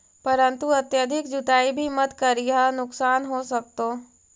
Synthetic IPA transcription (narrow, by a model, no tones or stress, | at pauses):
pɐɾə̃nt̪uɐt̪jad̪ʱɪkd͡ʒʊt̪aːibʱimɐt̪kɐɾijanʊksaːnɦoːsɐk̚t̪oː